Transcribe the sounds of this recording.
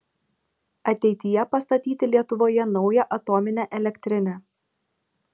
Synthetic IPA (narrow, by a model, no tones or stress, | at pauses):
ɐt̪ʲɛɪt̪ʲɪjɛpɐst̪ɐt̪ʲiːt̪ʲɪlʲiɛt̪ʊʋoːjɛnɒʊjɛʔɐt̪ɔːmʲɪnʲæʔɛlʲɛkʲt̪ʲɾʲɪnʲɛː